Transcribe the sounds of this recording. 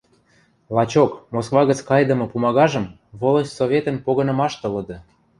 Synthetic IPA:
lɑt͡ɕokmoskvɑɣə̆t͡skɑjd̪ə̆mɤ̆pumɑɣɑʒɤ̆m | βolə̆ɕsovʲet̪ə̆npoɣɤ̆nɤ̆mɑʃt̪ɤ̆lɤ̆d̪ɤ̆

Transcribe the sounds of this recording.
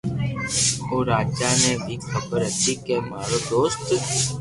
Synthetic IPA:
oːɾaːd͡ʒaːneːbʱiːxʰəbəɾət̪iːkeːmaːɾoːd̪oːst̪

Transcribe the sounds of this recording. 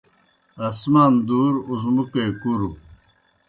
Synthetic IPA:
ɐsmaːnd̪uːɾuzmukejkuɾu

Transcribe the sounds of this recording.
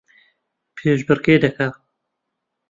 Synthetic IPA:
pʰeːʒbɨɾkeːd̪ɐka

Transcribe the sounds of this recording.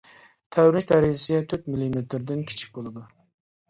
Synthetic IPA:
t̪ʰɛwɾnɪʃʲd̪æɾɪd͡ʒɪsɪt̪ʰyt̪milimet̪ɾd̪ɪnkʲʰi̥t͡ʃʰi̥k̚ʲbolˠɨd̪u

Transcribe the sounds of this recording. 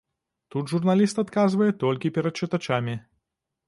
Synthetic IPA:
t̪ud̪ʐurnalʲist̪at̪kazvɐjɛt̪ɔlʲkʲipʲɛɾɐt̪̚t͡ʂɨt̪at͡ʃamʲi

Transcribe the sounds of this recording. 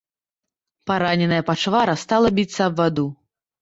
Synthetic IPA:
paɾanʲɛnɐjɐpat͡ʂvaɾɐst̪alˠɐbʲit̪sːɐːbvad̪u

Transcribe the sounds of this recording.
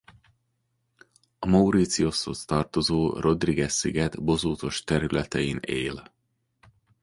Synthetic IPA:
ɒmɒuɾit̪sio̞sost̪ɒrt̪o̞zoːro̞d̪riɡɛsːiɡɛd̪bo̞zoːt̪o̞ʃt̪ɛɾylɛt̪ɛineːl

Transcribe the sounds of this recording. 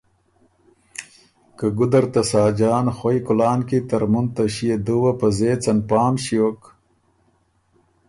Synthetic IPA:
kɐɡʊd̪ɐɾt̪ɐsaːd͡ʒaːnxojkʊlaːnkit̪ɐɾmunt̪ɐɕijed̪uwɐpɐzeːt͡sɐnpaːmɕiok

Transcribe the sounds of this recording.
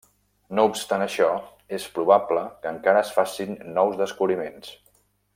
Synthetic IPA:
noupst̪anəʃɔ | espɾuβ̞abləkəŋkaɾəːsfasinːɔwzðəskuβɾimens

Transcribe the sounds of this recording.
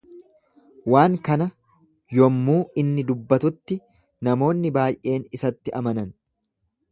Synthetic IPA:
waːŋkɐnɐ | jɔmːuːɪnːɪd̪ʊbːɐt̪ʊt̪ːɪ | nɐmo̞ːnːɪbaːjʔe̞ːnɪsɐt̪ːɪʔɐmɐnɐn

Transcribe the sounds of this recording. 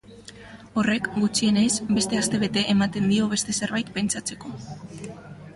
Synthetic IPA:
o̞re̞kɡut͡ʃie̞ne̞zbe̞st̪e̞ast̪e̞β̞e̞t̪e̞ʔemat̪e̞nd̪io̞β̞e̞st̪e̞se̞ɾβajt̪̚pe̞nt͡ʃat͡se̞ko̞

